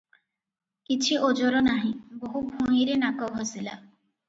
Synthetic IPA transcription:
kit͡ʃʰiod͡ʒɔɾɔnaɦĩboɦubʱũiɾenakɔwɦɔsila

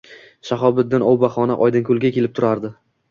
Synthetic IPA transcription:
ʃaχɒbɪd̪ːɪnɒwbaχɒna̰ʔɒjd̪ɪnkʰʊlˠɡʲakʲʰe̞lɪp̚t̪ʰʊɾaɾd̪ɪ

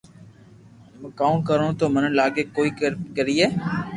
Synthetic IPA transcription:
kãːkəɾõːt̪oːmənə̃laːɡeːkoːiːkəkəɾiːeː

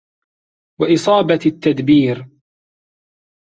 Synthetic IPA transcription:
waʔɪsˤɑːbat̪ːad̪biːɾ

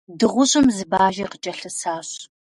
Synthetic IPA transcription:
dɨʁʷʊɕʼɪmzɨbaːʒiqət͡ʃʼɐɬɨsaːɕ

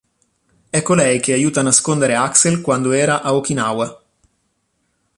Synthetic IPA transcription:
ɛkːolɛjkeajuːt̪aːnaskond̪eɾeakselkwand̪oɛːɾaʔaokinawa

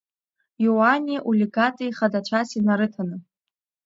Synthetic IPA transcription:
jowanʲiʔulʲiɡatʼijχadat͡ʃʷʰasinaɾɨtʰanɨ

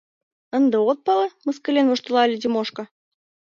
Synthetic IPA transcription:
ə̆nd̪ɤ̆ot̪̚pɑlɑmɤ̆skɤ̆lʲenvŏʃt̪ɤ̆lˠɑlʲɘd̪ʲemoʃkɤ̆

